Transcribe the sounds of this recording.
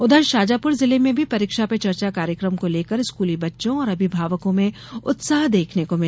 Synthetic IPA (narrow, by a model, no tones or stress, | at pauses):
ʊd̪ʱəɾʃaːd͡ʒaːpʊɾzɪlemẽbʱipɐɾikʃapet͡ʃɐɾt͡ʃakaːɾjəkɾəmkoleːkəɾɪskuːlibɐtːʃõɔːɾɐbʱibʱaːʋəkõmẽ | ʊt̪saːɦd̪eːkʰnekomɪ